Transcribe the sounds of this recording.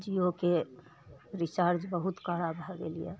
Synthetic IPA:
d͡ʒioke | ɾisaɾd͡ʒbəɦut̪kaɾabɦɡḛlḭjɛ̰

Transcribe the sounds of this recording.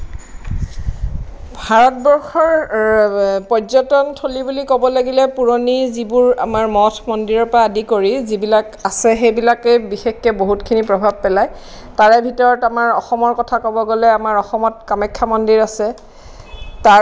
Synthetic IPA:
bʱaɹɔt̚bɔɹxɔɹ | pɔzɔtɔntʰolibulikɔbɔlaɡilɛpuɹonizibʊɹa̰maɹmɔtʰmɔndiɹɔɹpɹaːdikoɹizibilakasɛxebilakɛbixexkɛboɦutkʰinipɹɔbʱab̚pɛlaj | taɹɛbʱitɔɹɔtamaɹɔxɔmɔɹkɔtʰakɔbɔɡolɛamaɹɔxɔmɔtkamɛkʰːamɔndiɹasɛ | ta

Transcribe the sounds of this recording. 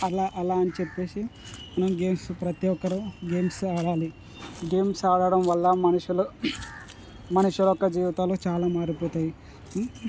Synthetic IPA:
ɐlaːʔɐlaːɐnit͡ʃepːe̞ːsi | mɐnɐmɡe̞ːmspɾɐt̪ijɔkːɐɾuɡe̞ːmsaːɽaːli | ɡeːmsaːɽɐɽɐmʋɐlːɐmɐnuʂulu | mɐnuʂulɔkːɐd͡ʒiːʋit̪aːloːt͡ʃaːlaːmaːɾipɔːt̪aːji

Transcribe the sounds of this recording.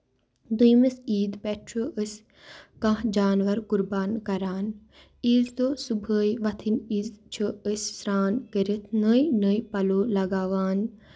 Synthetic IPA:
d̪ujmɐsiːd̪pɛʈʰɾoːʔəsʲ | kãɦd͡ʒaːnʋɐɾkuɾbaːnkɐɾaːn | iːzd̪oːsubʱəːjʋɐt̪ʰiniːzt͡ʃʰəəsʲsɾaːnɡəɾit̪ʰnəjnəjpɐloːlɐɡaːʋaːn

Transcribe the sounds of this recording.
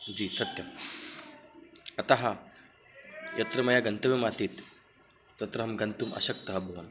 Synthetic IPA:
d͡ʑiːsɐt̪jɐm | ɐt̪aɦa | jʔɐt̪ɾəmɐjaɡɐnt̪əʋjemasiːt̪ː | ɐt̪ɾəɦɐmɡɐnt̪uːmɐ̰ɕəkt̪əɦaboʋan

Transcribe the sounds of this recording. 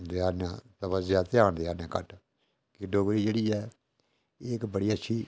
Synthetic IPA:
d̪eaːnjã̰ːt̪əbəzjaːt̪ɪaːnd̪eaːnãːkəʈ | kɪɖoːɡɾiːd͡ʒeːɽiːɛː | eːkbəɽiːətːʃʰiː

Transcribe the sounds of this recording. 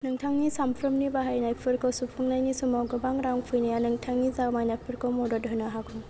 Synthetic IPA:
nɯŋtʰaŋnisampʰɾɯmnibaɦajnajpʰɯɾkʰɔwsupʰuŋnajnisumawɡɯbaŋɾaŋpʰɯjnijanɯŋtʰaŋnizamajnajpʰɯɾkʰɔwmɔdɔdɦɔjnaɦakʰuŋ

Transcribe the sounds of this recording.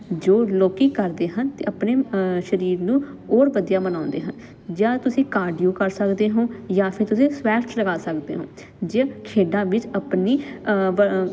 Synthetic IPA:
d͡ʒoːloːkiːkəɾd̪eːɦənt̪ḛːʔəpneːʃəɾiːɾnũː | oːɾʋəd̪ijaːmənãːnd̪ḛːɦən | d͡ʒjãːt̪ʊsĩːkaːɾɖijuːkəɾsəkd̪eːɦõːjãːpʰɪɾt̪ʊsĩːsʋɛːʈləɡaːsəkd̪ḛːɦõ̰ː | d͡ʒaːkʰeːɖãːʋɪt͡ʃəpniːə

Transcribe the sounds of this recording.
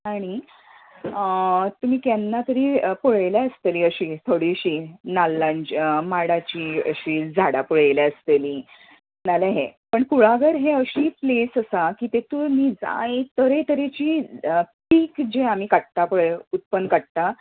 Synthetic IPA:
aɽ̃i | t̪um̤iːkanːat̪əɾiːpoɭelaəst̪eliːəɕiːt̪ʰoɽiɕiːnalːand͡ʑmaɽat͡ɕiːə̰ɕiːd͡zʱaɽapuɭeleəst̪eliː | naleɦepəɳkuɭaɡəɾɦeəɕiːplesəsakiːt̪et̪umiːd͡za̰jt̪əɾet̪əɾet͡ɕiːʈiːkd͡ʑeam̤iːkaʈ̚t̪apoɭeut̪̚pənkaɽ̚t̪a

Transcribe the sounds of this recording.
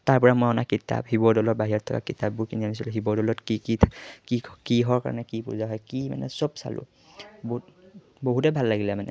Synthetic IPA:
taɹpɔɹamɔjɔnakitːa̰bhibɔdɔlɔbaɦiɔtʰɔka̰kitabbuɹkinianis̬iluɦibɔdɔlɔtkikikikiɦɔɹka̰ɹɔ̰nɛkipṵzaɦɔjkima̰nɛ̰sɔbsa̰lʊ̰ | b | boɦutɛbʱalːaɡilɛmanɛ̰

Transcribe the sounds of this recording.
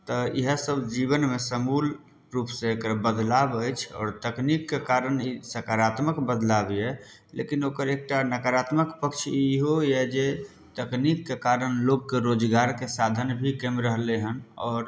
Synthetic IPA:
t̪əḭɦəsəbd͡ʒiβənmesəmul | ɾupsẽekɾbəd̪labəjt͡ʃʰɔ̰ːɾt̪əknikːekaɾənisəkaɾat̪məkbəd̪labiɛ | lḛkinokəɾek̚ʈanəkaɾat̪məkpəkt͡ʃʰiɦoɛd͡ʒe | t̪əknikːekaɾənloɡkeɾod͡ʒɡaɾkesad̪ʱənbʱikemɾəɦleɦənɔːɾ

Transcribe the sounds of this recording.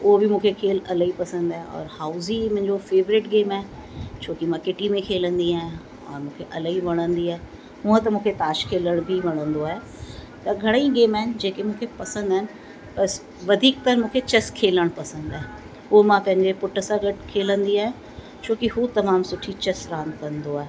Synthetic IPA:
ʊɦobɪmũːkʰekʰeːlɐləɦipɐsə̃nd̪aːɦeɔ̰ːɾhaːʊzimɐ̃ɦɪ̃ɲd͡ʑofeːʋɾɪʈɡeːmaɦet͡ɕʰoːkimãkɪʈimẽkʰeːlə̃nd̪iaːɦẽ | ɔ̰ːɾmũːkʰeʔɐləɦiʋɐɽ̃ə̃nd̪iaːɦe | ɦuə̃t̪ɐmũːkʰet̪aːʃkʰeːləɽ̃bʱiʋɐɽ̃ə̃nd̪oaːɦe | t̪ɐɡʱɐɽ̃ĩɡeːmaːɦɪnɪ̆d͡ʑeːkemũːkʰepɐsə̃nd̪əɦɪnɪ̆ | bɐs | ʋɐd̪ʱiːk̚t̪ɐɾmũːkʰet͡ɕɐskʰeːləɽ̃pɐsə̃nd̪aːɦe | ɦumãpɐ̃ɦɪ̃ɲd͡ʑepʊʈəsãɡɐʈkʰeːlə̃nd̪iaːɦẽ | t͡ɕʰoːkiɦut̪ɐmaːmsʊʈʰit͡ɕɐsɾaːənkɐ̃nd̪oaːɦe

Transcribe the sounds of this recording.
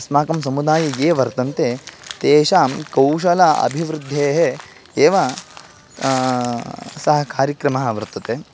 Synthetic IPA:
smaːkɐms̬ɐmud̪aːjɐjeːʋɐɾt̪ɐnt̪et̪eːʃaːkɐwʃɐlɐɐ̰bʱiʋɾud̪ʱːeːɦe | eːʋa | sɐɦɐkaːɾjɐkɾɐmɐɦɐʋɐɾt̪ːɐt̪e

